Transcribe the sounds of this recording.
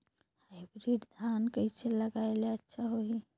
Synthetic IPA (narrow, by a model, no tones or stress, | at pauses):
hajbɾiɖd̪ʱankəit͡ʃʰeləɡaeleətːʃʰaɦoi